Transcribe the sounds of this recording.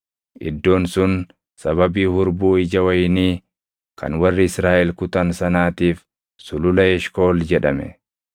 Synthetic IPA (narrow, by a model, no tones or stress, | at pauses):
ʔɪ̰d̪ːo̞ːnsʊn | sɐβɐbiːhʊɾbuːɪd͡ʒɐwɐjniː | kʰɐ̰nwɐrːɪɪsɾaːʔɛlkʊt̪ɐnsɐnaːt̪iːf | sʊlʊlɐɛʃko̞ːld͡ʒɛᶑɐmɛ̰